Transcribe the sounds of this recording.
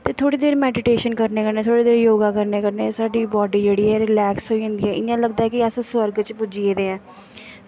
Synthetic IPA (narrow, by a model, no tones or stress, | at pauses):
t̪eːt̪ʰoːɽiːd̪eːɾmɛːɖɪʈeːʃənkəɾneːkəɾneːt̪ʰoːɽeːd̪eːɾjoːɡãːkəɾneːkəɾneːsaːɖiːbɔːɖiːd͡ʒeːɽiːɦɛːɾɪlɛːksɦoːiːɦʊ̃nd̪iːɛːʔɪãːləɡd̪aːɛːkɪəsãːsʋəɾɡt͡ʃpʊd͡ʒiːeːd̪ẽːɛ̃ː